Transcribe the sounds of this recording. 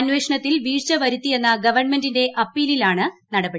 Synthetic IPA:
ɐnʋe̞ːʂɐɳɐt̪ːilʋiːrt͡ɕɐʋɐɾut̪ːije̞nːɐɡɐʋɐrɳme̞ndinde̞ʔɐpːiːlilaːɳɨnɐɽɐbeɽ

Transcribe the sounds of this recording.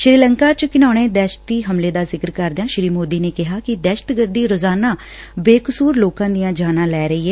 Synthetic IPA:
ʃɾiːləŋkaːt͡ʃkɪnaːɽ̃eːd̪ɛːʃə̥t̪iːɦəmleːd̪aːzɪkəɾkəɾd̪ãːʃɾiːmoːd̪iːneːkɪɦaːkɪd̪ɛːʃə̥t̪ɡəɾd̪iːɾoːzaːnaː | beːkəsuːɾloːkãːd̪ijãːd͡ʒaːnãːlɛːɾəiːɛː

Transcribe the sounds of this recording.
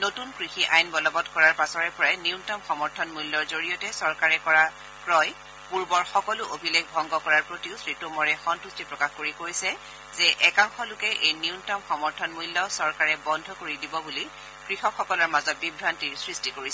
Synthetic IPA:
notunkɹixiʔajnbɔlɔbɔtkɔɹaɹpasɔɹɛpɔɹajniʊntɔmxɔmɔɹtʰɔnmujlːɔɹzoɹijɔtɛsɔɹkaɹɛkɔɹa | kɹɔj | puɹbɔɹxɔkɔlʊʔobʱileɡʱbʱɔŋɡɔkɔɹaɹpɹotiʊsɹitumɔɹɛxɔntustipɹɔkaxkoɹikoɹisɛ | zɛʔɛkaŋxɔlʊkɛʔejniʊntɔmxɔmɔɹtʰɔnmujlːɔsɔɹkaɹɛbɔndʱɔkoɹidibɔbuli | kɹixɔkxɔkɔlɔɹmazɔt̚bibʱɹantiɹsɹistikoɹisɛ

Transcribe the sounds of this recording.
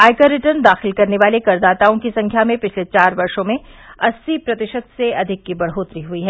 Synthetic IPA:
aːɪkəɾɪʈəɾnd̪aːxɪlkɐɾneʋaːlekɐɾd̪aːt̪aːõkisɐ̃ŋkʰjamẽpɪt͡ʃʰlet͡ʃaːɾʋɐɾʃõmẽɐsːipɾɐt̪ɪʃət̪seɐd̪ʱɪkːibɐɽ̤ɦoːt̪ɾiɦuiɦɛː

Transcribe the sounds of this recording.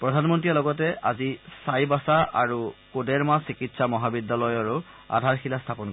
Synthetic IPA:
pɹɔdʱanmɔntialɔɡɔtɛazisajbasaʔaɹukodɛɹmasikitsamɔɦabidːalɔjaɹu | a̰dʱaɹxilastʰapɔn

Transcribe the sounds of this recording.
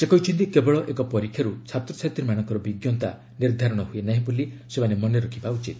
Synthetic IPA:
sekɔit͡ʃʰɔnt̪ikebɔɭɔʔekɔpɔɾikʰːjaɾut͡ʃʰat̪ɾɔsʰat̪iɾimaɽ̃ɔ̃ŋkɔɾɔbiɡjɔnt̪a̰ | niɾd̪ʱaɾɔɽ̃ɔɦuenaɦĩbolisemanemɔneɾɔkʰibaut͡ʃit̪

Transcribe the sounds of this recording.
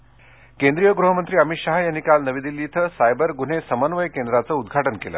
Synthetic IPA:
kend̪ɾijəɡɾuɦəmənt̪ɾiːəmiɕaɦajanikalnəʋid̪ilːit̪ʰəsajbəɾɡun̤esəmənʋəjkend̪ɾat͡səud̪ɡʱaʈənkelə̰ː

